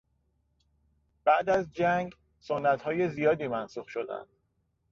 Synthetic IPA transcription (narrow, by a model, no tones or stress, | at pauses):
b̥æʔd̪æzd͡ʒæŋɡ | sonːæt̪hɒːje̞zijɒːd̪iːmænsuːxʃo̞d̪æ̰nd̪̥